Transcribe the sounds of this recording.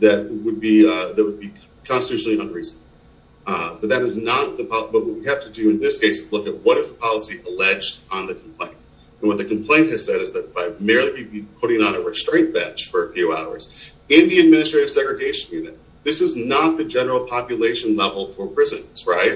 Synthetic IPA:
ðɨt̚wəd̚biðɨt̚wəd̚bi | kʰɑ̃nstɨtʰʉʃn̩lˠiʌ̃nɹisn | bʌt̪̚ðɨɾɨznət̪̚ðɨpʰɑbʌt̚wʌt̚wihæftɨdɨɨ̃nðɪskʰeɪsɨzlʊkɨt̚wʌɾɨzðəpʰɑlˠəsiʔəlɛd͡ʒdn̩ðɨkʰm̩pʰl̥ḛ̃ɪ̃nt̚ | ɨ̃nwʌt̪̚ðɨkm̩pʰl̥ẽɪ̃nt̚hɨz̥sɛɾɨzðɨt̚b̥aɪmɛɹlˠibibipʰʊɾɪ̃ŋə̃nɨɹɨstɹ̥ẽɪ̃nb̥ɛ̃nt͡ʃfə˞ɨfjʉa̰ʊə̰˞z̥ɪ̃nðiɨd̚mɪ̃nɨstɹ̥eɪɾɨv̥sɛɡɹɨɡeɪʃɨ̃n̩jʉnɨ̰t̪̚ | ðɪsɨznət̪̚ðɨd͡ʒɛnə˞l̩ˠpʰɑpjɨleɪʃɨ̃nlɛvl̩ˠfə˞pʰɹ̥ɪzɨ̃nsɹa̰ɪt̚

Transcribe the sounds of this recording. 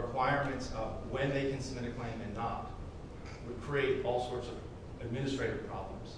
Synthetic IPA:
əkʰw̥aɪəɹmɨ̃ntsʌvwɨ̃nðeɪkɨ̃nsɨmɨ̃ɾ̃ɨkʰl̥ẽɪ̃mɨ̃nːət̚ | wəd̚kʰɹ̥ieɪɾɔlˠsɔɹtsʌv | ɨd̚mɪ̃nɨstɹ̥eɪɾɨv̥pʰɹ̥ɑ̰blə̰̃mz̥

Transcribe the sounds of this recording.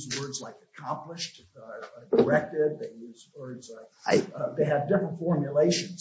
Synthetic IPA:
zwɜ˞dzlaɪkɨkʰɑ̃mplɪʃt | də˞ɛk̚tɪd̪̚ðeɪjʉzwɜ˞dzlaɪka̰ɪðeɪɨvdɪfɹə̃ntfɔɹmjɨleɪʃɨ̃nz̥

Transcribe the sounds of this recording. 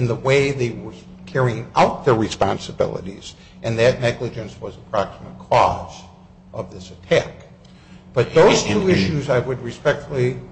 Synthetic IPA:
ɨ̃nðəweɪðeɪwə˞ | kʰɛɹiɪ̃ŋa̰ʊt̪̚ðə˞ɹɨspɑ̰̃nsəbɪ̰lˠə̰ɾḭz̥ | ʔɨ̃nðɨtⁿnɛɡlɨd͡ʒɨ̃nswʌzəpʰɹ̥ɑksəmət̚kʰɔ̰z̥ | ʔʌvðɪsɨtʰæk | b̥ʌt̪̚ðoʊz̥tʰuɪʃʉzaɪwɨd̚ɹɨspɛk̚tfl̩ˠi

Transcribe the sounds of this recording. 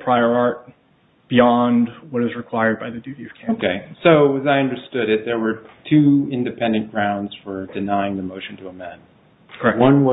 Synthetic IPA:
pʰɹ̥aɪə˞ɑɹt̚ | b̥iɑ̃ndwʌɾɨzɹɨkʰw̥aɪə˞d̚baɪðɨdʉɾiʌv̥kʰoʊkʰeɪsoʊɨzaɪʌ̃ndə˞stʊɾɪt̪̚ðə˞wə˞tʰʉɪ̃ndɨpʰɛ̃ndɨ̃nɡ̥ɹãʊ̃ndz̥fə˞dɨnaɪɪ̃ŋðɨmoʊʃn̩tʰəːmæ̃n | kʰɛwʌ̃nwʌ

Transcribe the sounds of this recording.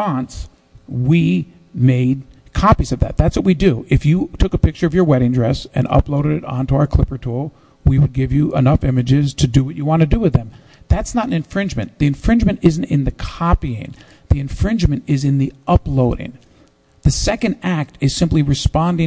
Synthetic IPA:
ɑ̃ns | wi | meɪd̚ | kʰɑpizʌvðɨ̰t̪̚ðætswʌt̚widɨʔɨfjɨtʰʊkəpɪk̚t͡ʃə˞ʌvjə˞wɛɾɪ̃ŋdɹɛsɨ̰̃nʌ̰ploʊɾɨɾɨɾɑ̃ntəaʊə˞kʰl̥ɪpə˞tʰɔlˠ | wiwəd̚ɡɪvjɨʔə̰nʌfɪ̃mɨd͡ʒɪz̥tʰɨdɨwʌt͡ʃɨwɑ̃nɨdɨwɨðɨ̃m | ðætsnəɾn̩ɨ̃ɱfɹɪ̃nd͡ʒmɨ̰̃nðiɨ̃ɱfɹɪ̃nd͡ʒmɨ̃nɪzn̩tɨ̃nðɨkʰɑpiɪ̰̃ŋ | ðiɨ̃ɱfɹɪ̃nd͡ʒmɨ̃ntɪzɨ̃nðiʔʌploʊɾɪ̰̃ŋ | ðɨsɛkɨ̃ndæk̚tɨz̥sɪ̃mpliɹɨspɑ̃ndɪ̃

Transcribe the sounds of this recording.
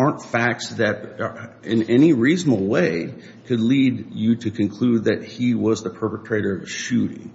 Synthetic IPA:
ɑɹntfæk̚tsðɨɾ | ɪ̃nɛniɹiznəbl̩ˠweɪ | kʰɨdˡlid͡ʒɨɾɨkʰɨ̃nkʰl̥ud̪̚ðɨt̚hiwʌzðəpʰɜ˞pɨtʰɹ̥eɪɾə˞ʌvɨʃʉɾɪ̰̃ŋ

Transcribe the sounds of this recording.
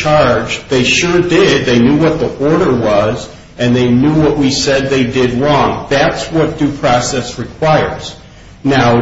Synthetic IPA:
t͡ʃʰɑɹd͡ʒðeɪʃʊɹdɪd̪̚ðeɪnjuwʌt̪̚ðiʔɔɹɾə˞wʌz | ɨ̃nðeɪnjuwʌʔ̚wisɛd̪̚ðeɪdɪd̚lɔ̃ŋðætswʌt̚d̥ʉpʰɹ̥ɑsɛsɹɨkʰw̥aɪə̰˞z̥ | naʊ

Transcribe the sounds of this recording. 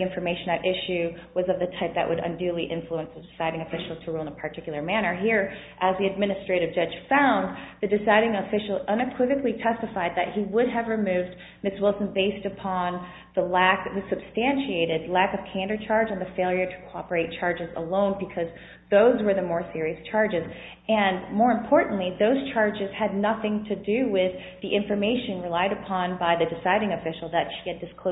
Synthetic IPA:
ɪ̃ɱfə˞meɪʃɨ̃nɨɾʔɪʃʉwʌzʌvðɨtʰaɪp̚ðɨ̰ʔwʔəɾə̰̃ndʉlˠiʔɪ̃ɱfluə̃nsðɨdɨsaɪɾɪ̃ŋɨfɪʃl̩ˠz̥tʰəɹulˠə̃nəpʰə˞tʰɪkjl̩ˠə˞mæɾ̃ə˞ɦiɹ | ʔəzðiɨd̚mɪnɨstɹ̥eɪɾɨvd͡ʒʌ̥ʒ̥fãʊ̃nðɨdɨsaɪɾɪ̃ŋəfɪʃl̩ˠʌ̃nɨkʰw̥ɪvɨklitʰɛstɨfaɪd̪̚ðɨt̚hiwʊɾɨvɹɨmʉvd | mɪswɪlˠsə̃n̩beɪstɨpʰɑ̃n | ðəlækðɨsɨb̥stæ̃nʃieɪɾɨdˡlækʌv̥kʰæ̃ndə˞t͡ʃʰɑɹd͡ʒɨ̃n̩ðɨfeɪlˠjə˞ɾə̥kʰoɑpə˞eɪt̚t͡ʃʰɑɹd͡ʒɨzə̰lõʊ̃nbɨkʰʌz | ðoʊzwə˞ðɨmɔɹsɪɹiɨst͡ʃʰɑɹd͡ʒɨz | ɨ̃nmɔɹɨ̃mpʰɔɹʔn̩ʔliðoʊz̥t͡ʃʰɑɹd͡ʒɨz̥ɨdⁿnʌθɪ̃ŋtʰɨdɨwɪð | iʔɪ̃ɱfə˞meɪʃɨ̃nɹɨlaɪɾɨpʰɑ̃nbaɪðɨdɨsaɪɾɪ̃ŋɨfɪʃl̩ˠðɨtʃiɨdɨskʰ

